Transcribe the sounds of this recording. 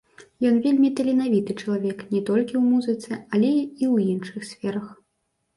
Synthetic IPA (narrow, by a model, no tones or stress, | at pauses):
jɔnvʲelʲmʲit̪ɐlʲɛnavʲit̪ɨt͡ʂɐlˠavʲɛknʲɛt̪ɔlʲkʲiwmuzɨt̪sɛalʲɛiwjinʂɨxsʲfʲɛɾɐx